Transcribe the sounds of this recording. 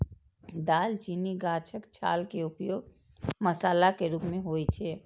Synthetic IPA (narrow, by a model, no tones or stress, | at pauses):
d̪aːlt͡ʃiːniɡaːt͡ʃʰəkt͡ʃʰa̰ːlkeʊpjoːɡ | məsaːlakeɾuːpmẽɦoːit͡ʃʰeː